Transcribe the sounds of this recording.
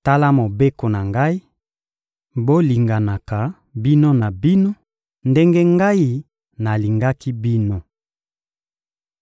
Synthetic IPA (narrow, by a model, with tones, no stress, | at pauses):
ta˦la˦mo˨be˦ko˨na˨ŋɡa˦i˦ | bo˦li˨ŋɡa˨na˨ka˨ | bi˦no˦na˨bi˦no˦ | nde˦ŋɡe˦ŋɡa˦i˦ | na˨li˨ŋɡa˦ki˦bi˦no˦